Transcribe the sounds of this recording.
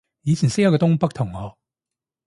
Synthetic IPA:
jiː˨˧t͡ɕʰi˨˩nse˥ja˥kːt̪ʊ˥ŋpɐ˥k̚t̪ʰʊ˨˩ŋhɔ˨˩

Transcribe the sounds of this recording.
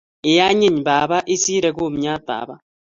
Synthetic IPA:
e˨ja˦ɲi˦ɲba˨βa˦ʔi˦siː˦ɾe˨ɡo˦˨mɲaː˦t̪a̰ː˨βa˦

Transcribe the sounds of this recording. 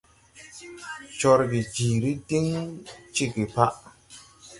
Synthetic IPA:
t͡ʃɔ˧ɾbi˨d͡ʒiː˨ɾi˦ti˦ŋt͡ʃi˦ki˨pa˦ʔ

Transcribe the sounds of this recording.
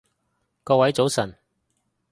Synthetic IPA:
kɔː˧wɐ˨˥jt͡so˨˥wsɐ˨˩n

